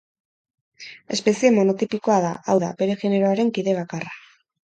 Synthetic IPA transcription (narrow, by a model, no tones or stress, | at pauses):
e̞spe̞sie̞mo̞no̞t̪ipiko̞aðaawða̰be̞ɾe̞ɣene̞ɾo̞aɾe̞ŋkiðe̞β̞akara